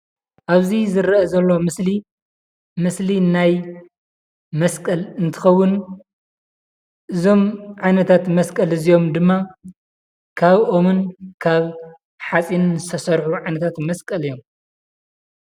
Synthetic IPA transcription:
ʔaβzizɨɾɐʔɐzɐlːomɨsli | mɨslinaj | mɐskʼɐlɨnt̪ʰɨ̥xɐwːʊn | ʔɨzo̞mʕajnɐt̪ʰat̪mɐskʼɐlɨzijo̞md̪ɨmːa | kʰaβo̞mɨnkʰaβ | ħat͡sʼinzɨst̪ʰɐsɐɾħuʕajnɐt̪ʰat̪mɐskʼɐlɨjo̞m

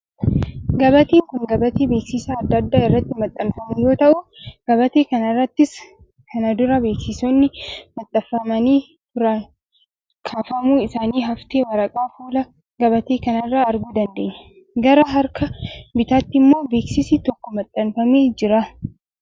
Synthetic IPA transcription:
ɡɐbɐt̪eːŋkʊŋɡɐbɐt̪eːbe̞ːksɪsaːd̪ːɐd̪ːaːɪrːɐt̪ːɪmɐt̪ʼːɐnfɐmujo̞ːt̪ɐʔʊɡ̥ɐbɐt̪e̞ːkɐnɐrːɐt̪ːɪs | kʰɐnɐd̪ʊɾɐbe̞ːksɪsonːɪmɐt̪ʼːɐfːɐmɐniː | tʊɾɐ | kʰaːfɐmuːɪsaːniːɦɐft̪eːwɐɾɐkʼaːfuːlɐ | ɡɐbɐt̪e̞ːkɐnɐrːaːɐɾɡuːd̪ɐnd̪e̞ːɲːɛ | ɡɐɾɐɦɐɾkɐbɪt̪aːt̪ːɪmːo̞ːbe̞ːksɪsiːt̪ɔkːɔmɐt̪ʼːɐnfɐmeːd͡ʒɪɾɐ

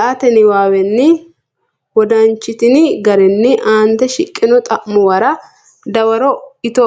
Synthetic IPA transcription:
ʔat̪ɛnɪwaːwɛnːɪ | wɔd̪ɐnt͡ʃːɪt̪ɪnɪɡɐɾɛnːɪʔaːnt̪ɛʃɪkʼːɪnɔt̪ʼɐʔmːɔwɐɾɐ | d̪ɐwɐɾɔɪt̪ɔ

